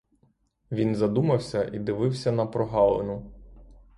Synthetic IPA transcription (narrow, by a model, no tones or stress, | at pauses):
ʋʲinzɐd̪umɐwsʲɐʔid̪ɪʋɪwsʲɐnɐpɾɔɦɑlˠḛnʊ